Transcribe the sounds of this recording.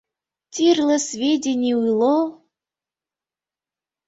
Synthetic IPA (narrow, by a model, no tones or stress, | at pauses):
t̪ʲirlˠəsʲvʲedʲenʲiujlˠo